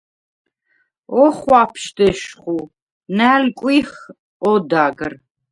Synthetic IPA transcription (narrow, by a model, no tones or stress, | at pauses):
ɔχʷapʰʃd̪əʃχu | næːlkʷʼiχ | ɔd̪aɡr